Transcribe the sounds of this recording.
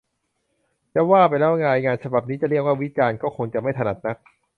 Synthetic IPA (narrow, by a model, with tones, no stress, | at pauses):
lɛː˦˥waː˥˩pa˧jlɛː˦˥ʔŋaː˧ŋaː˧nt͡ɕʰa˧ba˨˩p̚niː˦˥t͡ɕa˨˩li˥˩ək̚waː˥˩wi˦˥t͡ɕaː˧nkɔː˥˩kʰo˧ŋt͡ɕa˨˩ʔma˥˩jt̪ʰa˧na˨˩t̪̚na˦˥k̚